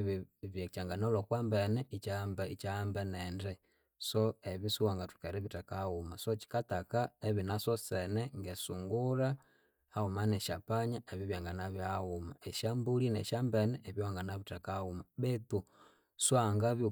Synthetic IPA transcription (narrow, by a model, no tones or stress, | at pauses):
ββjat͡ʃaŋɡanolokwambenɛit͡ʃambit͡ʃambenendɛ | soeβisuwaŋɡatu̥keɾeβitakaumasot͡ʃi̥katakaeβinasosenɛŋɡesuŋɡuɾa | aumaneʃapaɲaeβiβjaŋɡanaβiauma̰eʃambulinḛʃambenɛʔːβjoaŋɡanaβitakaumaβɛtu | swaŋɡaβj